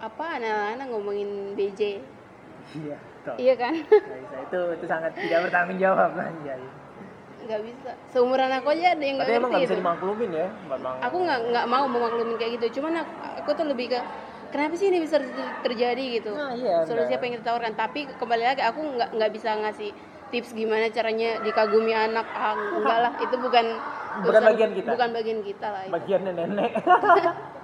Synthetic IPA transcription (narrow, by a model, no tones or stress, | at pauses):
ʔapaːnaːnaŋomaŋɪnbed͡ʒe | ia | t̪ɔiakansaisait̪uit̪usaŋat̪ːidak̚bərt̪aŋʊnd͡ʒawap̚na̰ɲd͡ʒaja | ŋɡaʔbisasəumʊɾanakod͡ʒadjaŋɡaaiemaŋabisadimaklumɪnjamamaŋakuŋɡaŋɡaʔmauməmaklumɪnkajaʔɡit̪̬ut͡ʃumana | a̰kut̪ʊləbɪhkə | kənapasɪinibis̬at̪ərd͡ʒadiɡit̪uasolusiapajaŋkit̪at̪aarkant̪apikəmbalilaɡakuŋɡaʔŋɡaʔbisaŋasɪh | t̪ɪpsɡimanat͡ʃaɾaɲadikaɡumianak̚paɦaŋuɡalahit̪ubukanbukanbaɡiankit̪abukanbaɡiankit̪alahibaɡianːanenɛk̚